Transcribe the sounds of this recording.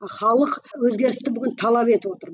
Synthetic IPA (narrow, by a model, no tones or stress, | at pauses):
χɑlˠəqwɵzɡʲe̞ɾɪst̪ɪbʏɡʲɪnt̪ʰɑlˠɑpe̞t̪ɪwo̞t̪əɾ